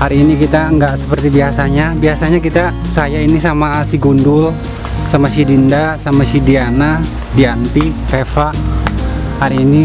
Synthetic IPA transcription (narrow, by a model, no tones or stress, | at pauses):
haɾiːnikit̪aəŋɡaʔsə̥pərt̪ibiasaɲabiasaɲakit̪a | sajainisamasiɡundʊl | samasidindasamasidiana | diant̪ifefaʔ | haɾiːni